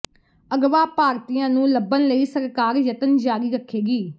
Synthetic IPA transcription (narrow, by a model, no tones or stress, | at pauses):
əɡʋaːpaːɾt̪ijãːnũːləbːənləiːsəɾkaːɾjət̪ənd͡ʒaːɾiːɾəkʰːeːɡiː